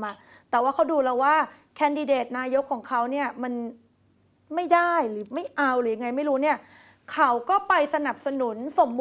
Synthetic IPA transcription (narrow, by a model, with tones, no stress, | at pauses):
a˧˩ | t̪ɛː˨˩waː˥˩kʰa˦˥wduː˧lɛː˧waː˥˩ | kʰɛː˧ndi˧deː˨˩t̪̚naː˧˥jo˦˥kʰːɔː˩˦ŋkʰa˦˥wni˥˩ɐma˧n | ma˥˩jdaː˥˩jɾɯː˩˦ma˥˩jʔa˧wɾɯː˩˦ja˧ŋa˧jma˥˩jɾuː˦˥ni˥˩ɐ | kʰa˦˥wkɔː˥˩pa˧jsa˧na˨˩p̚sa˧nu˩˦nso˨˦mb